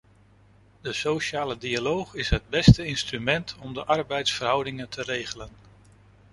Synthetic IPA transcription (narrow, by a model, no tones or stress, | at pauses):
d̥əsoʃaːlədialowχɪsɦəd̚bɛstəɪnstrymɛntʰɔmdəʔɑɹbɛjtsfərɦʌwdɪŋəntʰərejχələn